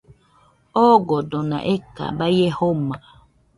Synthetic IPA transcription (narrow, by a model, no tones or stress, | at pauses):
ɔɡɔdɔna̰ʔeka̰bajehoma